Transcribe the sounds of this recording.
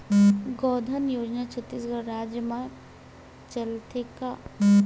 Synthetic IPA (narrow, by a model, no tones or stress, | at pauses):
ɡɔːd̪ʱənjoːd͡ʒnat͡ʃʰət̪ːiːsɡəɾɾaːd͡ʒjəmã | t͡ʃɐlt̪eka